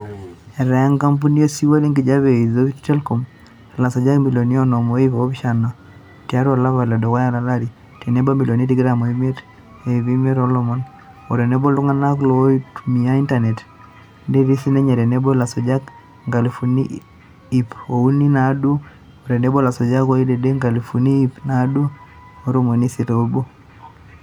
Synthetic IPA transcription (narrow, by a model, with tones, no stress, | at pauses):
ɛ˨ɾa˨a˦ŋka˦mpu˦ni˦o˦si˦wa˦li˦ŋɡi˨d͡ʒa˦βe˨i˨ðo˦ta˦lkɔ˨m | la˨sɔ˨d͡ʒa˦kmi˨lo˨ni˦ɔ˦nɔ˨mo˦i˦βo˦βi˦ʃa˨na˨ | tia˦ɾa˨la˦βa˨lɛ˨dɔ˨ka˦ja˦la˨la˦ɾi˨ | tɛ˨ne˦bo˦mi˨lo˨ni˦ti˦ɡɾa˨mo˨i˦me˦ɾ | e˨βi˦me˦ɾɔ˦lɔ˦mɔ˦n | ɔ˨ɾɛ˨ne˦bɔ˦lu˦ŋa˦na˦klo˦tumi˨a˦i˦nta˨ne˨t | ndɛ˦ɾi˦si˦nɛ˦ɲa˨ɾɛ˨ne˦bɔ˦la˨sɔ˨d͡ʒa˦k | ŋɡa˨li˨fu˨nḭ˦ | i˨po˨u˦ni˦na˨˦du˦ | ɔ˨ɾɛ˨nɛ˦bo˦la˨sɔ˨d͡ʒa˦ko˦i˦lɛ˨de˦ŋɡa˨li˨fu˨niː˦pna˦du˦ | ɔ˦ɾo˦mo˨ni˦si˨ɾo˦bo˦